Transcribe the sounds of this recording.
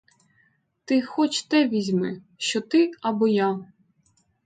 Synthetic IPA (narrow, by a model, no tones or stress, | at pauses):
t̪ɪxɔt͡ʃt̪ɛʋʲizʲmɪ | ʃt͡ʃɔt̪ɪɐbɔja